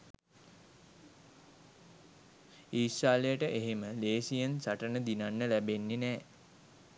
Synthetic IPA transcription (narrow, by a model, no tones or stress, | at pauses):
iːsaːlejəʈəʔeɦeməleːsijənsaʈənəd̪inanːəlæbenːenɛː